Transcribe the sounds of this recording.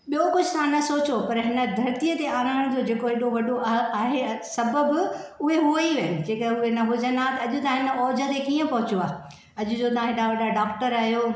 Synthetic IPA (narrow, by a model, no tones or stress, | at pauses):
ɓijokʊd͡ʑʱɪsʰãnɐsoːt͡ɕopɐɾɦɪnə̆d̪ʱɐɾt̪ijət̪eaːɾaːɽ̃d͡ʑod͡ʑeːkoɦeɗoʋɐɗoaaːɦesɐbəbɪʊɦeɦuəiʋɐd͡ʑeːkəʊɦenɐɦʊd͡ʑənd̪at̪ɐɐʄʊt̪ɐãɦɪnəɔːd͡ʑʱə̆t̪ekiːə̃pɐɦʊt͡ɕoaː | ɐʄʊ̆d͡ʑot̪ɐãɦɪɗaʋɐɗaɖaːkʈəɾaːɦijoː